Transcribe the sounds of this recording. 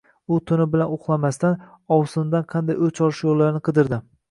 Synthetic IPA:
ʊt̪ʰʊnɪbɪlanoqlˠamast̪an | ɒwsɪnd̪anqʰɑnd̪ajɵt͡ʃʰɒlɪʃjolːaɾɪnɪqʰɨd̪ɪɾd̪ɪ

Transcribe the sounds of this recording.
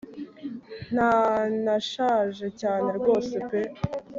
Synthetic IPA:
n̥anaʃaːʒe̞caːne̞ɾɡo̞ːse̞pe

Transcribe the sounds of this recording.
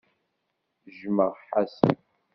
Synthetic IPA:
ʒməʁħasə̰n

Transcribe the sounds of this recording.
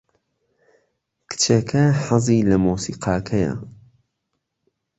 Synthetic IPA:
kʰɨ̥t͡ʃʰɐkʰɐħɑziːlɐmuːsiːqʰɑːkʰɐjɐ̰

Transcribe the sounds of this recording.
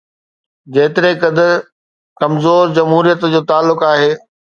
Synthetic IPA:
d͡ʑeːt̪ɪɾekɐd̪əɾ | kɐmzoːɾd͡ʑɐmɦuːɾijət̪d͡ʑoːt̪aːlːʊkaːɦeː

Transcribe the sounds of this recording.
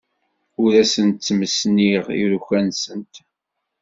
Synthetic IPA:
ʊɾæsənt̪ːməsniʁḭɾuçænsənt̪

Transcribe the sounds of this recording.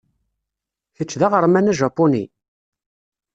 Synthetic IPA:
θət͡ʃːðaʁəɾˤmænæʒɑpːʊni

